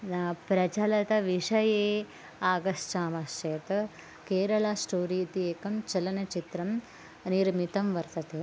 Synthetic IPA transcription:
napɾɐt͡ʃɐlɐt̪ɐʋiʂɐjeː | aːɡɐst͡ʃaːmɐʃt͡ʃɐjɐt̪ɐ | keːɾɐɭaːsʈoːɾit̪ieːkɐmt͡ʃɐlɐnɐt͡ʃit̪ɾɐm | niɾmit̪ɐmʋɐɾt̪ɐt̪eː

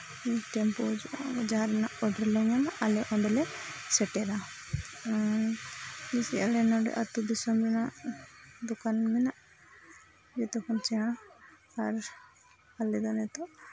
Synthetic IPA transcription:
iʈɛmpɔd͡ʒaɦaɾɛnaʔɔɖaɾlɔɲamalɛʔɔ̃nd̪ɛlɛsɛʈɛɾa | d͡ʒɛsiʔalɛnɔɖɛ̰ʔat̪ud̪isɔmɾɛñaʔd̪ukanmɛnaʔ | d͡ʒɛt̪ɔkʰɔnt͡ʃɛɽ̃ãː | ɾ | alɛd̪ɔnɛt̪ɔ

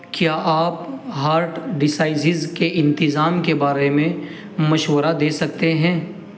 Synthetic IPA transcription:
kjaːʔaːpɦaːɾʈɖɪsaːɪsɪzkeʔɪ̃nt̪ɪzaːmkebaːɾemẽ | mɐʃwəɾad̪eːsɐk̚t̪eɦɛ̃ː

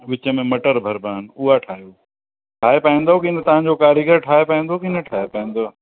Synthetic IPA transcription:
ʋɪt͡ɕə̆mẽmɐʈəɾbʱɐɾbaːnʊɦaʈʰaːɦjoː | ʈʰaːɦepaĩːnd̪okɪnət̪ɐʋ̤ãɲd͡ʑokaːɾiɡəɾʈʰaːepaĩːnd̪okɪnəʈʰaːɦepɐĩːnd̪oː

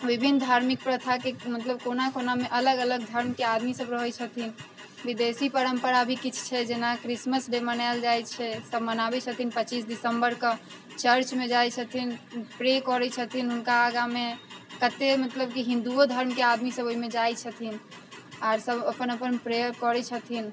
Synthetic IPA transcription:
bibʱinːd̪ʱaɾmik̚pɾət̪ʰakemət̪ləbkonakonameʔələɡələɡ̚d̪ʱəɾmkead̪misəbɾəɦət͡ʃʰət̪ʰin | bid̪esipəɾəmpəɾabʱikit͡ʃʰt͡ʃʰɛd͡ʒenakɾisməsɖemənald͡ʒajt͡ʃʰɛsəbmənabɛt͡ʃʰət̪ʰinpət͡ʃisɖisəmbəɾkə | t͡ʃəɾt͡ʃmed͡ʒajt͡ʃʰət̪ʰinpɾekɔɾɛt͡ʃʰət̪ʰinɦunkaːɡamekət̪emət̪ləbkiɦĩnd̪uod̪ʱəɾmkead̪misəboimed͡ʒajt͡ʃʰət̪ʰin | aɾsəbəpənəpənpɾekɔɾɛt͡ʃʰət̪ʰin

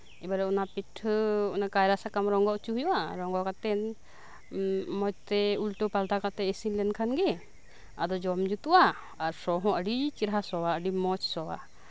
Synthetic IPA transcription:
ɛbaɾɛʔɔnapiʈʰɔnakajɾasakamɾɔŋɡɔʔt͡ʃuɦjɔʔaɾɔŋɡɔʔkat̪ɛn | mɔt͡ʃt̪ɛulʈɔpalʈakat̪ɛːsinlɛnkʰanɡɛ | a̰d̪ɔd͡ʒɔmd͡ʒut̪uʔa | aɾsɔɦɔ̃ʔəɖit͡ʃiɾɦasɔwaəɖimɔt͡ʃsɔwa̰

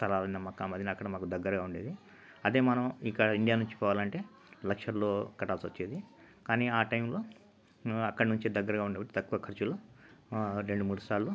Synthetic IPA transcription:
st̪ʰɐlaːlɐnd̪ɐmaːkːaːmɐd̪jɐnɐːkːɐɽɐmaːkud̪ɐɡːɐɾɐɡaːuɳɖeːd̪i | ɐd̪e̞ːmɐnɐmikːɐɽɐiɳɖijaːnuɲt͡ʃi̥pɔːʋaːlɐɳʈe̞ː | lɐkʂɐɾlo̞ːkɐʈaːlsʋɐt͡ʃːeːd̪i | kaːniːaːʈɐjmloː | ɐkːɐɽɐnuɲt͡ʃid̪ɐɡːɐɾɐɡaːuɳɖeːbɐʈːit̪ɐkːuʋɐkʰɐɾt͡ʃuloː | ɾe̞ɳɖumuːɽust̪aːɾlu

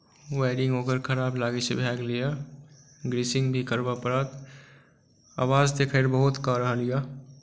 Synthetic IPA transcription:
waːɪɖɪ̃ŋɡoːkəɾkʰəɾaːblaːɡisebʱɛːɡlija | ɡɾiːsɪ̃ŋɡbʱikəɾbapəɾət̪ | a̰ːwaːzt̪ekʰəɾbəɦʊt̪kaɾəɦlɪjaː

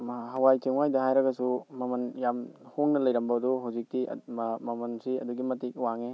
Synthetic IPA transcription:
ɦɐwajteŋwajdɐhajɾɐɡɐsumɐmɐnjamhoŋnɐlɐjɾɐmbɐduɦawzik̚tḭmɐmɐnsiɐ̰duɡimɐtik̚waŋe

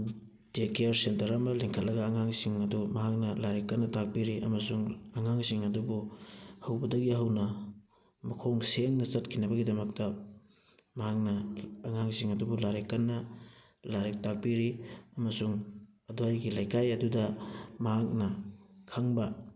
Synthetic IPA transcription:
d̥ekeaɾsentɐɾɐmɐleŋkʰɐt̚lɐɡɐːŋaŋsiŋɐdumɐɦak̚nɐlaɾekːɐnːɐtak̚piɾiʔɐmɐsuŋɐŋaŋsiŋɐdubuhɐwbɐdɐɡiɦɐwnɐ | mɐkʰoŋseŋnɐt͡ʃɐt̚kʰinɐbɐɡidɐmɐk̚tɐ | mɐɦak̚nɐːŋaŋsiŋɐdubulaɾekːɐnːɐ | laɾek̚tak̚piɾiɐmɐsuŋ | ɐdoajɡilajkajɐdudɐmɐɦak̚nɐkʰɐŋbɐ

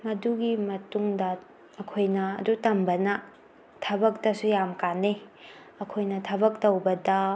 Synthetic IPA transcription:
mɐduɡimɐtuŋdɐː | kʰojnɐ̰ːdutɐmbɐnɐ | tʰɐbɐk̚tɐsujamkane | ɐkʰojnɐtʰɐbɐk̚towbɐdɐ

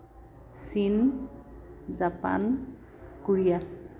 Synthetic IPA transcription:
sin | zapa̰n | kuɹija

